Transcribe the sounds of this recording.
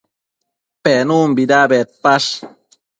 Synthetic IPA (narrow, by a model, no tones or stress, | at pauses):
pɛnumbidabɛt̪̚paʃ